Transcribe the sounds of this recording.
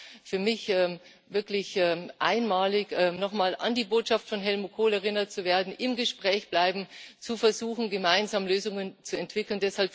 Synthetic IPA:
fyːɐmɪçʔɛːm | vɪɐklɪçɛːmʔa̰ɪnmaːlɪçʔɛnɔχmaːla̰ndiːboːtʃaftfɔnɦɛlmukʰoːlɛʁ̞ɪnɐt͡suveːɐdn̩ʔɪmɡəʃpʁ̥ɛːçb̥laɪbm̩t͡sufɛɐzuːxn̩ɡəmaɪnzaːmløːzʊŋənt͡suɛntv̥ɪkl̩ndɛshalp

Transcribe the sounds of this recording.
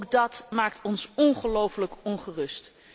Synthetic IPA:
k̚dɑtmaːk̚tʰɔnsɔnχəlowfələkɔnχərɵst

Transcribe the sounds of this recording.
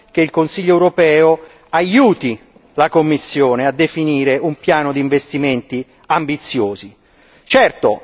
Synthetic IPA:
k̟eilkonsiʎːoɛwɾopɛːo | ajuːt̪i | lakomːisːjoːnead̪ːefiniːɾeumpjaːnod̪iːɱvest̪iment̪i | ambit̪sːjoːzi | t͡ʃɛrt̪o̰

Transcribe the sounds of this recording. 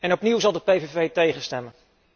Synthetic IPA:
ɛnɔpniwzɑlˠdəpejvevejtejχənstɛmən

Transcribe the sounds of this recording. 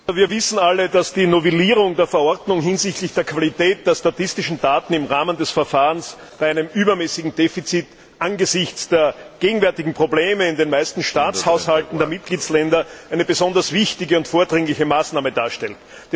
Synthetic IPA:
viːɐvɪsn̩alədasd̥iːnovɛliːʁ̞ʊŋdeːɐfɛɐɔɐdnʊŋɦɪnzɪçtlɪçd̥eːɐkʰv̥alitɛːt̚d̥eːɐstatɪstɪʃn̩daːtn̩ɪmʁaːməndɛsfɛɐfaːʁəns | b̥aɪæɪnəmʔyːbɐmɛːsɪɡŋ̩deːfit͡sit | ʔanɡəzɪçt͡sd̥eːɐɡ̥eːɡŋ̩vɛɐtɪɡŋ̩pʁ̥obleːməɪndenmæɪstn̩ʃtaːt͡shaʊshaltn̩deːɐmɪt̚ɡ̥liːt͡slɛndɐʔæɪnəbəzɔndɐsv̥ɪçtɪɡəʊntfoːɐdʁɪŋlɪçəmaːsnaːmədaːɐʃtɛlt | d̥

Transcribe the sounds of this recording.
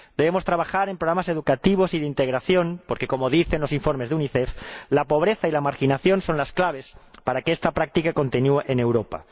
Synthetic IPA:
d̪ee̞mo̞st̪ɾaβaxaɾe̞mpɾoɣɾamase̞ð̞ukat̪iβ̞o̞siðeint̪eɣ̞ɾaθjo̞npoɾkeko̞moðiθenlo̞siɱfo̞ɾmezðuniθeflapo̞β̞ɾeθailamaɾxinaθjo̞nso̞nlasklaβ̞espaɾakeest̪apɾak̚t̪ikako̞nt̪enueʔene̞wɾopa̰

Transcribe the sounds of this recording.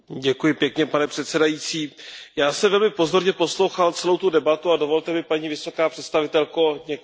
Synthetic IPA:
ɟɛkujɪpjɛkɲɛpanɛpr̥ɛt̪sɛdajit͡siːjaːsɛmvɛlmɪpo̞zo̞ɾɲɛpo̞slowxalt͡sɛlo̞wt̪udɛbat̪uado̞vo̞lt̪ɛmɪpaɲiːvɪso̞kaːpr̥ɛt̪st̪avɪt̪ɛlkoɲɛ

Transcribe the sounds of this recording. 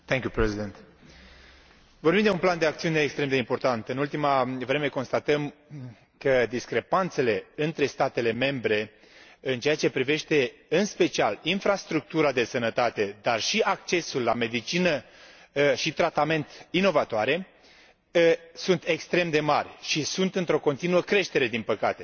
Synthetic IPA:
t̪eŋkʲjupɾezid̪ent̪ | vorbimd̪eunpland̪e̞akt̪siuneːkst̪ɾemd̪eimpo̞rt̪ant̪ɨnult̪imavɾe̞me̞ko̞nst̪at̪əm | kəd̪iskɾe̞pant̪se̞le̞ɨnt̪ɾe̞st̪at̪e̞le̞me̞mbɾe̞ | ɨnt͡ʃe̞jat͡ʃe̞pɾive̞ʃt̪e̞ɨnspe̞t͡ʃialinfɾast̪ɾuk̚t̪uɾad̪e̞sənət̪at̪e̞d̪arʃiʔak̚t͡ʃe̞sulːame̞d̪it͡ʃinə | ʃit̪ɾat̪ame̞nt̪ino̞vat̪oaɾe̞ | sunt̪e̞kst̪ɾe̞md̪e̞marʲʃisunt̪ɨnt̪ɾo̞ko̞nt̪inuəkɾe̞ʃt̪eɾe̞d̪inpəkat̪e̞

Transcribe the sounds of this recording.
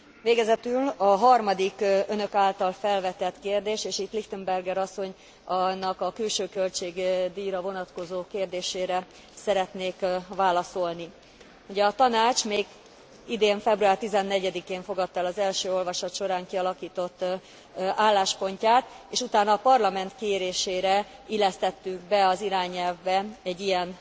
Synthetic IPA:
ʋveːɡɛzɛt̪ylɒɦɒrmɒd̪ikønø̞kaːlt̪ɒlfɛlvɛt̪ɛt̪keːrd̪eːʃeːʃit̪liht̪ømbɛrɡɛɾɒsːo̞ɲ | nːɒkɒkylʃøːkø̞lt͡ʃeːɡd̪iːɾɒvo̞nɒt̪ko̞zoːkeːrd̪eːʃeːɾɛ | sɛɾɛt̪neːkvaːlɒso̞lni | uɟɛɒt̪ɒnaːt͡ʃmeːɡ | id̪eːɱfɛbruaːrt̪izɛnːɛɟɛd̪ikeːɱfo̞ɡɒt̪ːɛlɒzɛlʃøːo̞lvɒʃɒt̪ʃo̞ɾaːŋkiɒlɒkiːt̪o̞t̪ː | aːlːaːʃpo̞ɲcaːt̪eːʃut̪aːnɒːpɒrlɒmɛnt̪keːɾeːʃeːɾɛilɛst̪ɛt̪ːyŋɡbɛɒziɾaːɲɛlvbɛɛɟːijɛn

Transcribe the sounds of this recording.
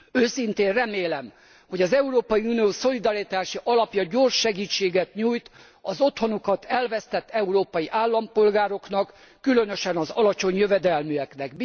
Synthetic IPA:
øːsint̪eːnrɛmeːlɛm | ho̞ɟɒzɛuɾoːpɒjiunijoːso̞lid̪ɒɾit̪aːʃiʔɒlɒpjɒɟorʃːɛɡiːt͡ʃːeːɡɛt̪ɲuːjt̪ | ɒzo̞t̪ho̞nokɒt̪ʰɛlvɛst̪ɛt̪ːɛuɾoːpɒjiʔaːlːɒmpo̞lɡaːɾo̞knɒkː | ylø̞nøʃɛnɒzɒlɒt͡ʃo̞ɲjøvɛd̪ɛlmyɛknɛk

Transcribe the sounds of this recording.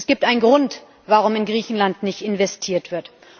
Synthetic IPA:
sɡ̥iːp̚tʔaɪnɡʁʊnt | vaʁ̞ʊmɪnɡʁiːçn̩lantnɪçtɪnvɛstʰiːɐtv̥ɪɐt

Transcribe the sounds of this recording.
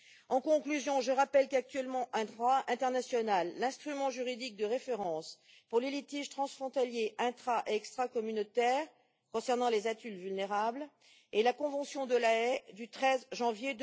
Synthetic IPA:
ɑ̃kɔ̃klyzjɔ̃ʒəʁapɛlkak̚t̪ɥɛlmɑ̃ʔɛ̃d̪ʁwaɛ̃t̪ɛʁnasjɔnalːɛ̃st̪χymɑ̃ʒyʁid̪ik̚d̪əʁefeʁɑ̃s | puʁlelit̪iʒt̪χɑ̃sfχɔ̃t̪aljeʔɛ̃t̪χaʔeɛkst̪χakɔmynot̪ɛʁ | kɔ̃sɛʁnɑ̃lezat̪ylvylneʁabl | elakɔ̃vɑ̃sjɔ̃d̪əlaɛd̪yt̪χɛzʒɑ̃vjed̪

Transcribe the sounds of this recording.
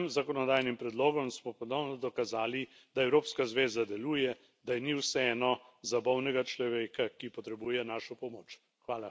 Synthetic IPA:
mzakɔnɔd̪aːjnimpɾɛd̪loːɡɔmsmɔpɔnɔwnɔd̪ɔkazaːli | d̪aɛwɾoːpskazʋeːzad̪ɛluːjɛ | d̪ajniwsɛɛːnɔzabɔwnɛɡat͡ʃlɔʋeːkakipɔt̪ɾɛbuːjɛnaːʃɔpɔmoːt͡ʃ | xʋaːla

